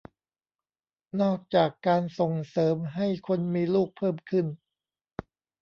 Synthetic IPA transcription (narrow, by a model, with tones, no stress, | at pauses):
nɔː˥˩k̚t͡ɕaː˨˩kːaː˧nso˨˩ŋsɤː˩˦mɦa˥˩jkʰo˧nmiː˧luː˥˩k̚pʰɤː˥˩mkʰɯ˥˩n